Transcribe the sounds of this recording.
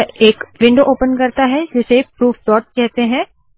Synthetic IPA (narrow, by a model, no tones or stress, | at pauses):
eːkʋɪ̃ɳɖoʔoːpənkɐɾt̪aɦɛd͡ʒɪsepɾuːft̪ɔːʈ̚kɛɦt̪eɦɛ̃ː